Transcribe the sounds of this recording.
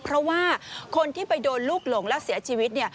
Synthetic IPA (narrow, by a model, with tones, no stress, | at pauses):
pʰɾɔ˦˥waː˥˩kʰo˧nt̪ʰiː˥˩pa˧jdoː˧nluː˥˩k̚lo˨˩ŋlɛ˦˥ʔsi˩˦ɐt͡ɕʰiː˧wi˦˥t̪̚ni˥ɐ